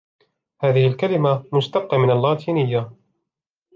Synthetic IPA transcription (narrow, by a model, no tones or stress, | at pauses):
haːðɪhɪlkalɪmamʊst̪ab̚qɑːmɪnalːɑːt̪ʰiːnɪjːa